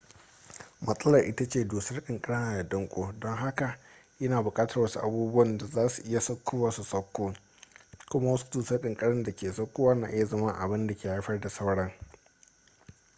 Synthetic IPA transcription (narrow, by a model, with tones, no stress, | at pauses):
mɐ˦sʼɐ˦lɐ˨rʔɪ˦ta˦t͡ʃeː˨duː˨sɐ˦rɗɪ˨ŋkʼɐ˦ɽɐ˦naː˨da˨dɐ˦ŋkʷʼoː˦dɔ˦ŋɦa˦ka˨ | ʔɐ˦naː˨bʊ˨kʼaː˦tɐ˨rwɐ˦su˦ʔa˨buː˦bʊ˦wɐ˨nda˨zaː˦su˨ʔɪ˦ja˨sɐ˦kʰʷːʊ˦waː˨su˨sɐ˦kʷːoː˦ | kʷʊ˦ma˦wɐ˦su̥˦duː˨sɐ˦rɗɪ˨ŋkʼɐ˦ɽɐ˦nda˨kʲeː˨sɐ˦kʷːoː˦waː˦na̰ː˨ʔɪ˦ja˨zɐ˦ma˦ŋʔa̰˨bɪ˦nda˨kʲeː˨ha˦ɸɐ˦rda˨sa˦wɽɐ˦ŋ